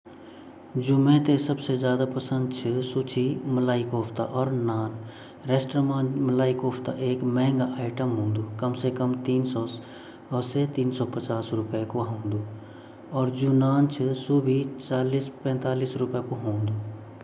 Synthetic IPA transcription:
d͡ʒʊmẽt̪esɐbsezjaːd̪apɐsə̃nd̪̚t͡ʃʰəsut͡ʃʰimɐlaːikoːpt̪a̰ʔɔːɾnaːn | ɾeːsʈɾəmãːmɐlaːɪkoːpt̪a̰ʔeːkmɛ̃ɦŋɡaʔaːɪʈəmɦõːnd̪uːkɐmsekəmt̪iːnsɔː | set̪iːnsɔːpət͡ʃaːsɾʊpekoɦõːnd̪uː | ɔːɾd͡ʒuːnaːnt͡ʃʰəsubʱit͡ʃaːliːspɛ̃ːnt̪aːliːsɾʊpekoɦõːnd̪uː

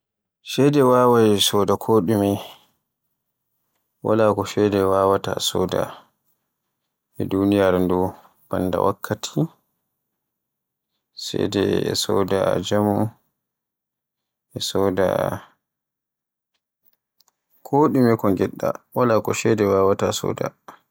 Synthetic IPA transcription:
ʃɛjdɛwaːwajɛsɔdakʰoɗumi | wa̰lakɔʃɛdɛwaːwatasɔ̰da̰ | ɛdunijaɾndɔ | b̥anːda̰wʔa̰kʰːatʰi | sɛ̰dɛɛ̰sɔdad͡ʒamu | ɛsɔda̰ | kʰoɗimikɔŋɡɛɗːa̰walakɔʃɛdɛwawatasɔ̰ːda̰

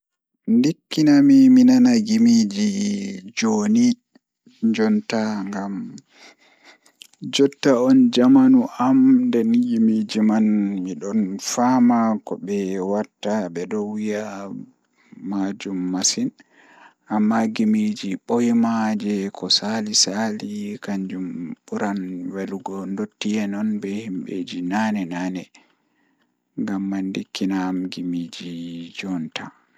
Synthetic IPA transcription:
ndikːinamiminanaɡimid͡ʒid͡ʒoni | ɲd͡ʒɔntaŋɡam | d͡ʒɔtːaɔnd͡ʒamanuʔamndɛnɡimid͡ʒimanmiɗɔnfamakɔɓɛwatːaɓɛdɔwija | mad͡ʒumːasin | ʔamːaɡimid͡ʒiɓojmad͡ʒɛkʰɔsalisalikaɲd͡ʒumɓuɾanweluɡɔndotːijɛnɔnbɛhimɓed͡ʒinanɛnaːnɛ | ŋɡamːandikːinamɡimid͡ʒid͡ʒɔnta

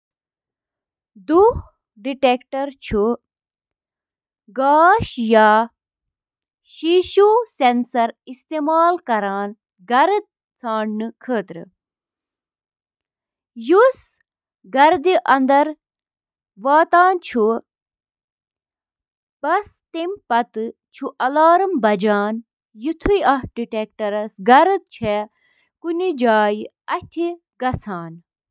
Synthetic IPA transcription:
d̪uh | ɖiʈeːkʈɐɾt͡ʃʰu | ɡaːʃjaː | ʃiʃuːsensɐɾist̪eːmaːlkɐɾaːn | ɡɐɾd̪̚ | t͡sʰaːɳnɨkʰəːt̪ɾɨ̰ | jus | ɡɐɾd̪iʔɐnd̪ɐɾ | ʋaːt̪aːnt͡ʃʰu | pɐs | t̪impɐt̪ɨ | t͡ʃʰuʔɐlaːɾɨmbɐd͡ʒaːn | jut̪ʰujɐɖiʈek̚ʈɐɾɐsɡɐɾɨt̪̚t͡ʃʰe | kunid͡ʒaːj | ɐt̪ʲʰi | ɡɐt͡sʰaːn

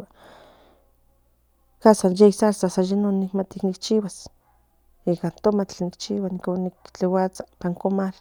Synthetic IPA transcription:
a | kasanjejsalsasajanonikmat̪iknik̚t͡ʃiwas | ikant̪omat͡ɬnikt͡ʃiwanikonikt͡ɬewat͡sḁpaŋkomal

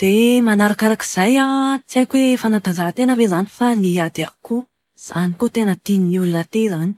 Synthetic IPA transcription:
d̪̥emanaɾakaɾaki̥z̥ajat͡siajkwefanad̪azat̪enəvezanifaniad̪aku | z̥anikot̪enət̪inululat̪ezani̥

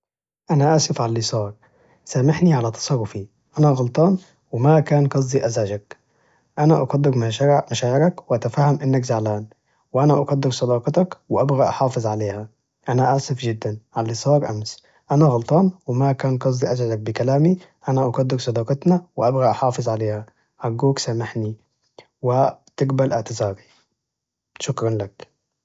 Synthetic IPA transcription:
ʔanaʔaːsɪfʕallːisˤɑːɾˤ | samɪħniʕalat̪ɑ̥sˤɑrˤːʊfi | ʔanaɣɑlt̪ˤɑːn | wɪmakaːnkɑs̬ˤd̪ˤiʔazʕad͡ʒak | ʔanaʔɑqɑd̪ːɪɾmamaʃaːʕɪɾækwɪʔæt̪afahːamʔɪnːakzaʕlaːn | wɪʔanaʔɑqɑd̪ːɪɾsˤɑd̪ɑːqɑt̪ɑkwɪʔabɣaʔɑħɑːfɨzˤʕaleːhæ | ʔanaʔaʕsɪfd͡ʒɪd̪ːanʕalːisˤɑːɾˤʔams | ʔanaɣɑlt̪ˤɑːnwɪmakaːnqɑsˤd̪iʔazʕalak̚bɪkalaːmi | ʔanaʔɑqɑd̪ːɪɾsˤɑd̪ɑːqɑt̪nawɪʔabɣaʔaħɑːfɨzˤʕaleːha | ʔaɡːuːksamaħni | wɪt̪ɪɡbalʔɪʕt̪ɪzɑːɾi | ʃʊkɾˤɑnlak

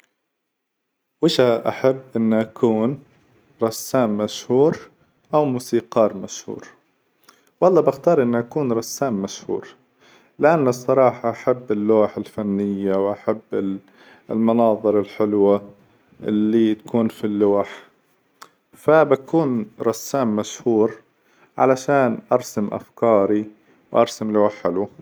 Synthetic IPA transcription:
wɪʃaʔaħabːʔɪnːʔakʰuːn | ɾˤɑsːaːmːaʃhuːɾ | ʔawmuːsiːqɑːɾˤmaʃhṵːɾ | wɑlˤːɑːbɪxt̪ɑːɾˤʔɪnːʔakuːnɾˤɑsːaːmːaʃhṵːɾ | lɪʔanːasˤːɑɾˤɑːħɑʔaħabːɪlːuːħɪlfanːɪjːawʔaħabːɪ | lmɑnɑːðˤɨɾɪlħɪlwa | ʔɪlːit̪ḁkuːnfilːuːħ | fabakuːnɾˤɑsːaːmːaʃhuːɾ | ʕa̰laʃaːnʔɑɾˤsamʔa̰fkɑːɾi | wʔɑɾˤsamluːħɪlu

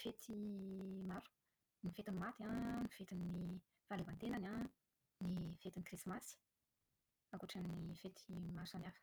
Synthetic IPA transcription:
fet̪ʰimaɾu̥ | nifet̪inimat̪iãnifet̪inːi | v̥alevant̪enana | nifet̪inikrismasi̥ | akuʈ͡ʂanifet̪ʰimasanafə̥

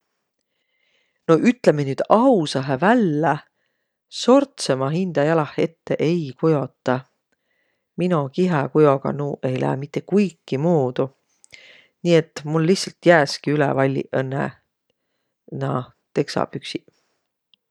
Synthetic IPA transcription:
no̞ʔyt̪ˑle̞menyːd̪̥ɑwsɑɦevælːe | so̞rt̪se̞mɑɦind̪̥ɑjɑlɑhe̞t̪ːe̞ʔejkujo̞t̪ːˑɑ | minukiɦɑkujo̞ɡ̥ɑ̰nuːʔe̞jlæ̰ːmit̪ːˑe̞kujkˑːimuːd̪̥u | niːe̞t̪ːˑmulːiçhsɑlt̪jæːskiylḛvɑlʲːḭʔɤnːḛ | nɑ | t̪e̞ksɑ̰b̥yksi

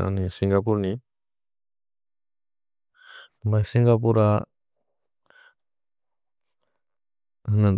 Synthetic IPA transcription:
a̰nisiŋɡapuɾni | bajsiŋɡap̬uɾa | na

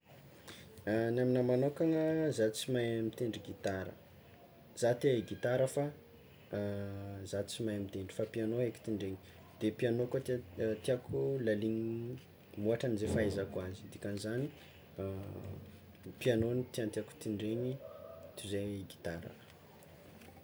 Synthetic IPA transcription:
naminəmanokaŋəzat͡simajamit̪eɳɖ͡ʐiɡit̪aɾə̰ | z̥at̪eɡit̪aɾəfa | zat͡simajamint̪eɳɖ͡ʐi̥fapianoɦeki̥t̪iɳɖ͡ʐeɲi̥ | d̪̥epianokat̪t̪iakʰulaliɲ | muaʈ͡ʂanizefaezakuazid̪ikanizani | pianonit̪iant̪iaku̥t̪iɳɖ͡ʐeɲit̪uzeɡi̥t̪aɾə̰

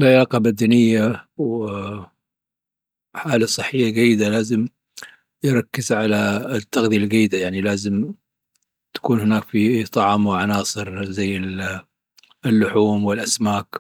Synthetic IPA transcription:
lʕajaːqɑbad̪anɪjːaw | ħaːlasˤɨħːɪjːaɡajːɪd̪alaːzɪm | jɾˤɑkːɪzʕalat̪ːɑɣd̪ijalɡajːɪd̪ajaʕnilaːzɪm | t̪ḁkuːnhɪnaːkfit̪ˤɑʕmwɪʕanɑːsˤɨɾzajːɪl | lːʊħuːmwɪlʔasmaːk

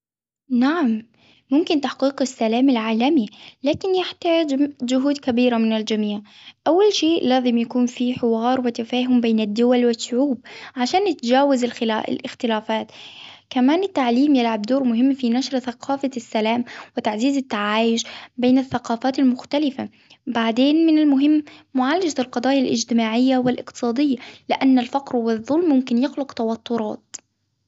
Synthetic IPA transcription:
naʕamː | ʊmkɪnt̪aħqiːqasːalaːmɪlʕaːlamilaːkɪnjɪħt̪aːd͡ʒmd͡ʒʊɦuːd̪kabiːɾamɪnald͡ʒamiːʕʔawːalʃeːʔlaːzɪmjakuːnfiːħɪwɑːɾˤwɪt̪afaːɦʊmbeːnad̪ːʊwalwɪʃːʊʕuːb̚ʕaʃaːnɪt̪d͡ʒaːwɪzɪlxɪ̰lʔɪ̰xt̪ɪlaːfaːt̪kamaːnɪt̪ːaʕliːmjɪlʕabd̪oːɾmʊɦɪmːfinaʃɾθaqʰɑːfasːalaːmwɪt̪aʕziːzɪt̪ːaʕaːjɪʃbeːnaθːaqɑːfaːt̪almʊxt̪alɪfa | baʕd̪eːnmɪnalmʊɦɪmːʊʕalːad͡ʒalqɑd̪ˤɑːjalʔɪ̰d͡ʒt̪ɪmaːʕɪjːawɪlʔɪqt̪ɨ̥sˤɑːd̪ɪjːalɪʔanːalfaqɾhwɪðˤːʊlmːʊmkɪnjɪxlʊqt̪awɑt̪ˤːʊɾˤɑ̰ːt̪̚

